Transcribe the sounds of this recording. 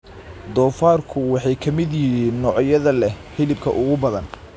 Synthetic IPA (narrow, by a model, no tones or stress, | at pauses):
d̪ɔːfaːrkʰʊwɑħɑjkʰɐmɪd̪jɪhiːnːɔːʕjɐðɐlɛħɪlɪb̚kʰɐ̰ʔʊɣʊbɐðɐn